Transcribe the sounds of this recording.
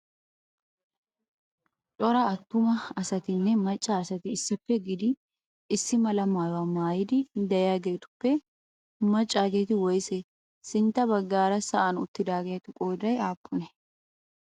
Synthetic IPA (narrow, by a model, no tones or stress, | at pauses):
t͡ʃʼɔɾɐɐt̪ːʊmɐɐsɐt̪ɪnːɛmɐt͡ʃʼːaɐsɐt̪ɪːsːɪpːɛɡɪd̪ɪː | sːɪmɐlɐmaːjwamaːjɪd̪ɪd̪ɐjaɡe̞ːt̪ʊ̥pːɛ | mɐt͡ʃʼːaːɡe̞ːt̪ɪwɔjsɛ | sɪnt̪ɐbɐɡːaːɾɐsɐʔɐnʊ̰t̪ːɪd̪aːɡeːt̪ʊkʼoːd̪ɐjaːpːʊnɛ